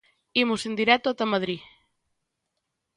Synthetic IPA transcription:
imʊsend̪iɾɛt̪oat̪amaðɾi

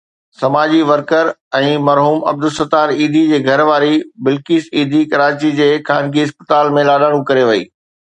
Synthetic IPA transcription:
sɐmaːd͡ʑiʋɐɾkəɾɛ̃ːmɐɾɦuːmɐ̰b̚d̪ʊsɐt̪aːɾiːd̪ʱid͡ʑeːɡʱɐɾʋaːɾibɪlkiːsiːd̪ʱikɐɾaːt͡ɕid͡ʑeːkaːnɡiɦɪspə̥t̪aːlmẽlaːɗaːɽ̃ũkɐɾeʋɐḭː

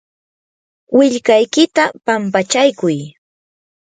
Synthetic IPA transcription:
wɪʎkajkɪt̪apampat͡ʃajkʊj

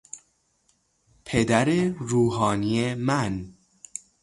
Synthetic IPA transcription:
pʰed̪æɾeɾuːɦɒːnijemæn

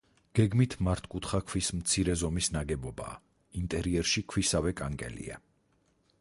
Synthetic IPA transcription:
ɡ̥ɛɡmit̪ʰmaɾt̪ʰkʼut̪ʰχakʰwismt̪sʰiɾɛzɔmisnaɡɛbɔba̰ː | int̪ʼɛɾiɛɾʃikʰwisavɛkʼaŋkʼɛ̰lḭa̰

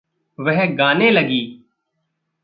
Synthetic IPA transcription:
ʋɛɦɡaːneːləɡiː

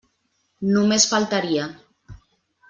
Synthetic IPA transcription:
numesfalˠt̪aɾia

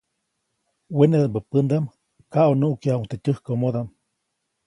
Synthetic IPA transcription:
wened̪ambəpənd̪am | kaʔonuʔkiauŋt̪etʲəhkomod̪am

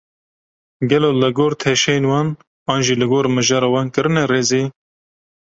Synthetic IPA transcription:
ɡɛloːlɨɡoːɾt̪ʰɛʃɛjenwɑːn | ɑːnʒiːlɨɡoːɾmɨʒɑːɾɑwɑːnkɨɾɨnɛreːziː

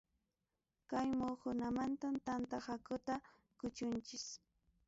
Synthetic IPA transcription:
kajmokʊnamant̪amt̪ant̪ahakʊt̪a | kʊt͡ʃʊnt͡ʃɪs

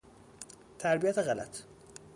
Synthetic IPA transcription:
t̪ʰæɾbijæt̪ʰeɣælæ̰t̪ʰ

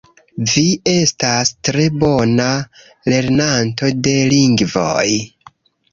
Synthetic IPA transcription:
vie̞stastɾe̞bo̞na | le̞ɾnanto̞de̞liŋɡvo̞̰j

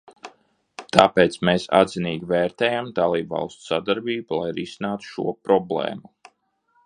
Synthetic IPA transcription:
t̪ʰaːpeːt̪smeːsa̰d̪ziniːɡʲiveːɾt̪eːjamd̪alˠiːbvɑ̰lˠst̪u̥sad̪aɾbiːbulˠa̰jɾisinaːt̪u̥ʃṵɔpɾɔblḛːmu

